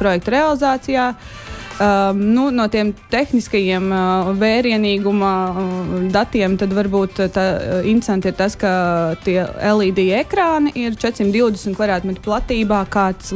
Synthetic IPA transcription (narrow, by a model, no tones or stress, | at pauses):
pɾɔjɛk̚t̪ɾealˠizaːt̪sijaː | nunuɔt̪iɛmt̪exniskɐjiɛmvɛːɾiɛniːɡuma | d̪at̪iɛmt̪ad̪ʋaɾbuːt̪t̪aint̪ɾe̥sant̪iɾt̪askat̪iɛelˠiːd̪ijekɾaːniʔiɾt͡ʃɛt̪sʲimt̪d̪iwd̪esmt̪kvad̪ɾaːt̪mɛt̪plˠat̪iːbaːkaːt̪s